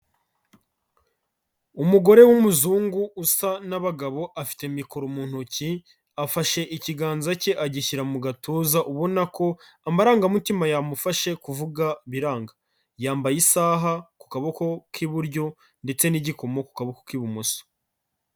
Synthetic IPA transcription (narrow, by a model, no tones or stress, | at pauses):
umuɡo̞ɾe̞wumuzuːŋɡuʔusanaβaɡaβo̞ʔafi̥temikoɾomuːn̥huci | afaʃe̞ʔiciɡaːnzaceʔaɟiçiɾamuɡatʰoːzaʔuβo̞nako̞ | amaɾaːŋɡamutimajamufaʃe̞kuvuɡaβiɾaːŋɡa | jaːmbajisaːɦaku̥kaβoko̞kʰiβuɾɟo̞ | nde̞t͡se̞niɟiko̞mo̞ku̥kaβokokiβumoso̥